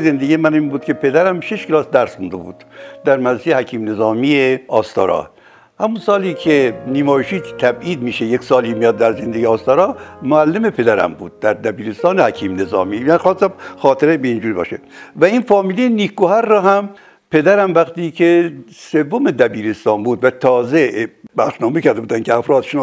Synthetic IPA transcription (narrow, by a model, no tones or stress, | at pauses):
zend̪eɡʲijemæniːnbuːd̪kʰepʰe̞d̪æɾæmʃeʃkʰelɒːsd̪æɾsxund̪ebṵːd̪̥d̪æɾmæɾɾesejehækʰiːmne̞zɒːmieɒːst̪ɒ̰ːɾɒ̰ː | hæmunsɒːliːkʰeniːmɒːjeʃiːt̪ʰæbiːd̪miːʃejeksɒːliːmijɒːd̪ːæɾzend̪eɡiːst̪ɒːɾɒːmoælːemepʰe̞d̪æɾæ̰mbuːd̪̥̚ːæɾd̪æbiːɾest̪ɒːnehækʰiːmne̞zɒ̰ːmiːmænixɑːst̪ːæmxɒːt̪ʰeɾebeiːnd͡ʒuːɾibɒ̰ːʃevæiːnfɒːmiːlejeniːkɡohæɾːɒːɦæm | pʰe̞d̪æɾæmvæxt̪iːkʰesevːomed̪æbiːɾest̪ɒːnbuːd̪væt̪ʰɒːzebæɾʃnɒːmekʰæɾd̪ebuːd̪ænkʲʰeæfɾɒːd̪ʃen